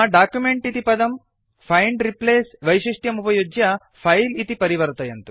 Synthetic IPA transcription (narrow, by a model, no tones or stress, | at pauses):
aɖaːkjumeɳʈit̪ipɐd̪ɐm | pʰɐjɳɖɾipleːsʋɐjʃiʂʈjɐmupɐjod͡ʒjɐ | pʰɐjlit̪ipɐɾiʋɐɾt̪ɐjɐnt̪u